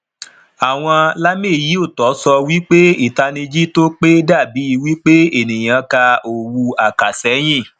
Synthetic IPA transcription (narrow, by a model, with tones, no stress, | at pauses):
a˨w̃ɔ̃˧la˦mĩ˦˨ji˨˦o˦˨tɔ˨˦sɔ˧wi˦k͡pe˦i˦˨ta˧nĩ˧d͡ʒi˦to˦k͡pe˦da˦˨bi˨˦i˧wi˦k͡pe˦e˨nĩ˨j̃ã˧ka˧o˨wu˧a˨ka˨sɛ˨˦j̃ĩ˦˨